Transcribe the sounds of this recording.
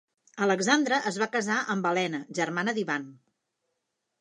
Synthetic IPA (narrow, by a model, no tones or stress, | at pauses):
ələɡzand̪ɾəʔəzβakəzaʔəmbəlɛnəʒərmanəðiβan